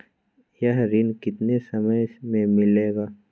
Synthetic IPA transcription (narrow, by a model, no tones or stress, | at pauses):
jəɦɾinkɪt̪nesɐməjmẽmɪleːɡaː